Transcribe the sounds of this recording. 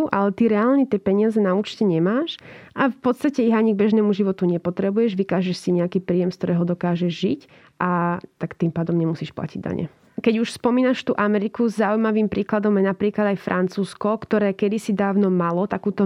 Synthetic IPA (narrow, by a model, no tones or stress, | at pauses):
ʔalɛt̪iɾɛaːlɲɛt̪ɪɛpɛɲɪazɛnauːt͡ʃcɛɲɛmaːʃʔafpɔt̪st̪acɛiɦaɲiɡ̚bɛʒnɛːmuʒiʋɔt̪uɲɛpɔt̪ɾɛbujɛʒʋikaːʒɛʃsiɲɛakiːpɾiːjɛmskt̪ɔɾɛːɦɔd̪ɔkaːʒɛʒʒic | ʔat̪akt̪impaːd̪ɔmɲɛmusiːʃpla̰ciɟd̪a̰ɲɛ̰ | kɛɟuʃspɔmiːnaʃt̪ṵːʔamɛɾikuzzaujmaʋiːmpɾiːklad̪ɔmjɛnapɾiːklad̪ajfɾʔant͡suːskɔkt̪ɔɾɛːkɛd̪isid̪aːʋnɔmalɔt̪akuːt̪ɔ